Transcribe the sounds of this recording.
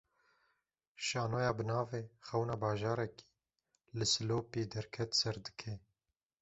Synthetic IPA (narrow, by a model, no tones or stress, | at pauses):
ʃɑːnoːjɑːbɨnɑːveːxɛwnaːbɑːʒɑːɾɛki̥ː | lɨsɨloːpiːd̪ɛɾkʰɛt̪sɛɾd̪ɨ̥kʰe